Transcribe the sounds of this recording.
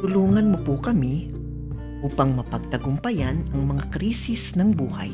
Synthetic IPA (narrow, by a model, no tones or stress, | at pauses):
t̪ʊluːŋɐnmopokɐmi | ʔuːpɐŋmɐpɐɡ̚t̪ɐɡʊmpɐjanɐŋmɐŋakɾiːsisnɐŋbuːhɐ̰j